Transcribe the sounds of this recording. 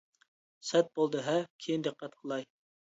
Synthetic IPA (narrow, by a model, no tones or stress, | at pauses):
sɛt̪̚bolˠd̪ɨɦɛkʲʰejind̪ɨqːɛt̪qʰəlˠɑj